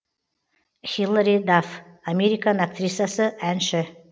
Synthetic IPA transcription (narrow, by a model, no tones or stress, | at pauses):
xʲilˠaɾʲid̪af | amʲeɾʲikanak̚t̪rʲisjasəʔænʃɪ